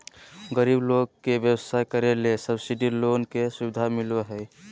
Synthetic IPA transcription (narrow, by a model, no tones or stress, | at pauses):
ɡəɾibloɡkːebjəwəsajkəɾelesəbsiɖilonkesuʋid̪ʱamiloɦə